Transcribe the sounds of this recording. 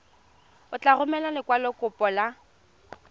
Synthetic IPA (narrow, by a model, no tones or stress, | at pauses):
ʊt͡ɬʼarʊmɛlalɪkʼwalɔkʼʊpʼɔla